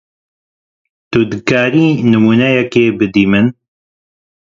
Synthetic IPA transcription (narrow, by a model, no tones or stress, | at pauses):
t̪ud̪ɨkaːɾiːnɨmuːnɛjɛkeːbɨd̪iːmɨn